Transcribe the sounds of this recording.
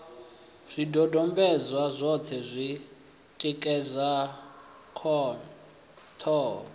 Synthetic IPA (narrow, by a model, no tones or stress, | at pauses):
z̥ʷidʱɔdʱɔmbɛzwazʷɔtʰɛzʷi | tʼikʼɛza | kʰɔn | tʰɔː